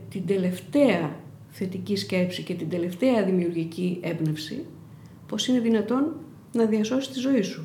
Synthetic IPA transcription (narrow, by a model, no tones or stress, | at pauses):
t̪ind̪e̞le̞ft̪e̞ɐ | θe̞t̪icisce̞psice̞t̪ind̪e̞le̞ft̪e̞ɐðimiuɾʝicie̞bne̞fsḭ | po̞sine̞ðinɐt̪o̞nː | ɐðiɐso̞si̥st̪izo̞isu